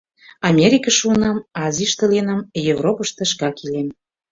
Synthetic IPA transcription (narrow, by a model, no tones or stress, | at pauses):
ɑmʲeɾʲikəʃuənɑmɑziʃt̪əlenɑmjevropəʃt̪ə̆ʃ̬kɑkilem